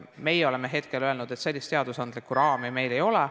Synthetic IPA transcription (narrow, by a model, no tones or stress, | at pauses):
me̞jeo̞le̞me̞ɦe̞t̪ke̞løelnud̪̥e̞t̪se̞lʲːist̪e̞ɑd̪usɑnd̪likːuɾɑːmime̞jle̞jo̞lɛ